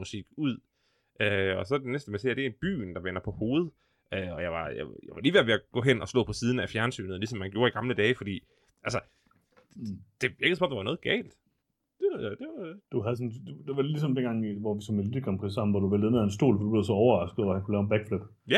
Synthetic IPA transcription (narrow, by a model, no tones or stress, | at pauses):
usiɡ̥uð̰ˠ | ʔøɒ̽sɒ̽d̥enesd̥əmesḛɐd̥e̝b̥y̰ːnd̥ɑ̈ʋen̰ɐpʰɒ̽ho̝ːð̩ˠ | øɒ̽jɑ̈ɪʋɑ̈ja̰jɑʋɑliːʋeɐʋe̝æɡ̥ɔ̰̽ːɦen̰ɒ̽slɔ̰̽ːpʰɒ̽siːð̞ˠn̩æfjæɐnsy̰ːnð̩ˠlisɒ̽mːænɡ̥jo̝ːɐiɡ̥ɑ̈mləd̥ɛːfɒ̽d̥ḭː | ʔælsə | d̥e̝ʋiɐɡ̥əsɒ̥ɒm̩d̥ɑʋɑ̈nɔ̽ːð̩ˠɡ̥ɛ̰ːld̥ | d̥ed̥e̝d̥uɦæðˠsɔnd̥ed̥e̝ʋɑ̈lis̬ɒ̽md̥enɡ̥ɑ̈ŋʋɒʋisɒ̽menlikʰɒmpʰʁḭsɑ̈mn̩ʋɒd̥uʋeldðen̩ˠæensd̥o̝̰ːlfɒ̽d̥ub̥le̝ʊsɒ̽ɒʊɐʁɑ̈sɡ̥ð̩ˠɒhænkʰulɛːʊenb̥æɡ̥fløb̥ | jæ